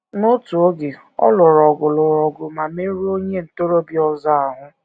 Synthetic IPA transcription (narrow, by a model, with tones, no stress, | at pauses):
no˦tu˨o˦ɡe˨ | ɔ̰˦lʊ˨ɾɔ˨ɡʊ˨lʊ˨ɾɔ˨ɡʊ˨ma˨me˦ɾu˦o˦ɲe˦n̩˨to˦ɾo˦bi˦ɔ˦za˦a˨ɦʊ˦